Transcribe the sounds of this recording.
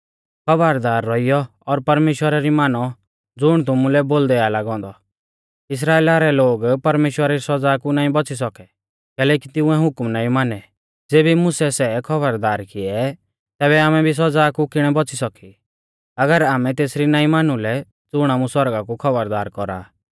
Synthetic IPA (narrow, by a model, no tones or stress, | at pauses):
kʰɐbəɾd̪aːɾːɔijɔ | ɔɾpɐɾmeːʃwəɾaɾimaːnɔ | d͡zʊɽ̃t̪ʊmũlɛboːld̪ɛalaːɡɔ̃ːnd̪ɔ | ɪs̬ɾaːeːlaɾɛloːɡpɐɾmeːʃwəɾaɾisɔd͡zaːkunaːĩbɔt͡sis̬ɔkɛ | kɛːlɛːkit̪ɪʊ̃ɛɦʊkmnaːĩmaːnɛ | d͡zeːbimʊsɛsɛkʰɔbəɾd̪aːɾkɪɛ | t̪ɛːbɛaːmɛbʱis̬ɔd͡zaːkukɪɽ̃ɛbɔt͡sʰisɔki | ɐɡəɾaːmɛt̪eːsɾinaːimaːnulɛ | d͡zʊɽ̃aːmũsɔɾɡakukʰɐbəɾd̪aːɾkɔɾa̰ː